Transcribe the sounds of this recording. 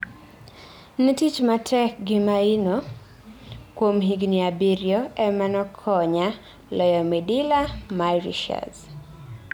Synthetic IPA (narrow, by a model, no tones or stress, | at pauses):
nitit͡ʃmatʰɛkɡimaino | kwomɦiɡniabiɾjɔɛmanɔkʰɔɲa | lɔjɔmɛdilamaɾḭʃa̰z